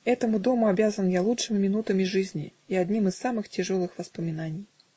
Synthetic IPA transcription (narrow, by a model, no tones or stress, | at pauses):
ɛt̪əmʊd̪omʊɐbʲazənjalˠutʂɨmʲmʲɪnut̪əmʲɪʐɨzʲnʲḭiad̪ʲnʲimɨsːamɨxtʲɪʐolˠɨxvɐspəmʲɪnanʲɪj